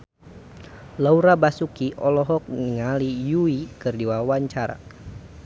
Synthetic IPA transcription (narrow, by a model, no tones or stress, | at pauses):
lauɾabasukiʔɔlɔɦɔk̚niŋalijuikɨrdiwawaɲt͡ʃaɾa̰